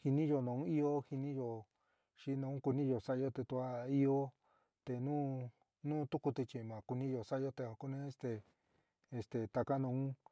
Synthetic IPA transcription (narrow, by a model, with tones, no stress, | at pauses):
hi˧nĩ˦jo˧nã˨˧ũ˦i˦o˦hi˧nĩ˦jo˨ | ʃi˧nã˧ũ˦ku˧nĩ˦jo˨sa˦˧jo˧t̪e˧t̪u˧a˦i˦o˦ | t̪e˧nũː˦ | nũː˦t̪u˦ku˧t̪i˧t͡ʃĩ˨˧mã˨ku˧nĩ˦jo˧sa˦jo˧t̪e˧a˧ku˦nẽ˧˦e˧st̪eː˧ | st̪e˨t̪a˧ka˦nã˧ũ˦